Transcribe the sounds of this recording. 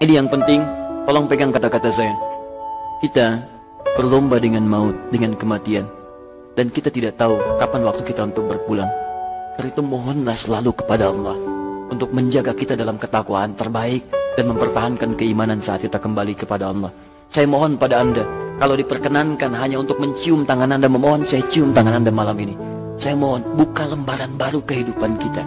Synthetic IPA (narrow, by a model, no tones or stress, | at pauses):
inijaŋpənt̪ɪŋt̪olɔŋpeɡaŋkat̪akat̪as̬aja | kit̪a | bərlɔmbadəŋanmaʊt̪̚dəŋankəmat̪ian | dankit̪at̪idaʔt̪aukapanwak̚t̪ukit̪aunt̪ʊk̚bərpulaŋdaɾit̪umoɦɔnlahsəlalukə̥padaɑlˠːɑhunt̪ʊk̚məɲd͡ʒaɡakit̪adalamkət̪akwa̰ʔant̪ərbaɪk̚danməmpərt̪aɦankankəimanansaat̪̚kit̪akəmbalikəpadaɑlˠːɔh | sajamoɦɔnpadaːndakalawdipərkənankanɦaɲaunt̪ʊk̚məɲt͡ʃiʊmt̪aŋanandaməmoɦɔnsajat͡ʃiʊmt̪aŋanandamalamini | sajamoɦɔnbukaləmbaɾanbaɾukəɦidupankit̪a